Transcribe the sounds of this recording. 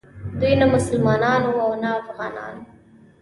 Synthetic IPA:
d̪ujnamʊsəlmɑnɑnwuawnaːfɣɑnɑ̰n

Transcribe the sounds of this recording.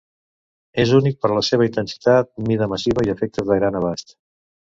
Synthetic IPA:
ezunik̚pəɾləseβəint̪ənsi̥t̪at̪̚miðəməsiβəiəfɛk̚t̪əzðəɣɾanəβ̞ast̪

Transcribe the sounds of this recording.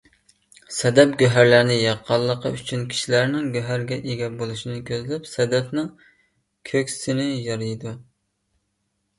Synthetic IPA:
sɛd̪ɛp̚ɡʲøɦæɾlæɾnɪjɑqʰːɑlˠːəqəyt͡ʃʰynkʲʰi̥ʃilæɾnɪŋɡʲøɦæɾɡʲɛʔeɡʲɛbolˠuʃinɪkʲʰøzlɛpsɛd̪ɛpnɪŋ | kʲʰøkʲsɪnɪjɑɾɨjd̪u

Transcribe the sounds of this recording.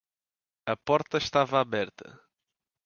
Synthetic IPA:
ɐpɔɾt̪ɐʃt̪avɐaβɛɾt̪ʰɐ̰

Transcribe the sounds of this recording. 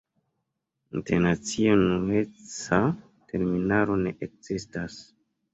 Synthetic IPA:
inteɾnat͡sionume̞t͡sa | tʰe̞ɾminaɾo̞ne̞ʔek̚z̥istas

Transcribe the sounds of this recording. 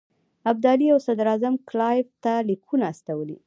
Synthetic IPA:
ab̚d̪ɑliawsad̪ɾazamklɑjbt̪alikʰunaːst̪awəlḭ

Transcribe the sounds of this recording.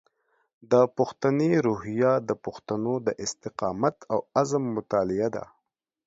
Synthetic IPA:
d̪əpʊxt̪aneɾuɦijad̪əpuxt̪anod̪əʔɪst̪ɪqɑmat̪ʰawazəmːʊt̪ɑlɪad̪a̰

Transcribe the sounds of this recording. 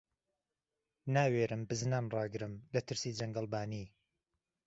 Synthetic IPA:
naːweːɾɨmbɨznaːnrɑːɡɨɾɨmlɐt̪ʰɨɾsiːd͡ʒɐŋɡɐlˠbaːniː

